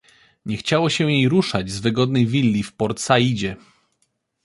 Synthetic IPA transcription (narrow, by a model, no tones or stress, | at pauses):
ɲɛxt͡ɕawɔɕɛjejɾuʂad͡ʑzvɘɡɔd̪̚nɛjvʲilʲːifpɔɾt̪sajid͡ʑɛ